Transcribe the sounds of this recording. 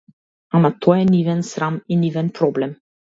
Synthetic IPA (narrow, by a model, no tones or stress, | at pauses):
amat̪ʰɔɛnivɛnsɾaminivɛnpɾɔblɛm